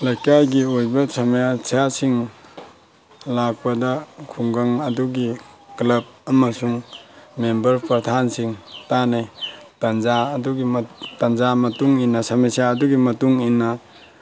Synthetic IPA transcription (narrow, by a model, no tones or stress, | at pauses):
lajkajɡiojbɐsamjasʰijasiŋ | lak̚pɐdɐkʰuŋɡaŋɐduɡiklɐb̚ɐmɐsuŋmembɐɾpɾɐtʰansiŋtanetanzaːduɡitanzamɐtuŋinːɐsamesijaːduɡimɐtuŋinːɐ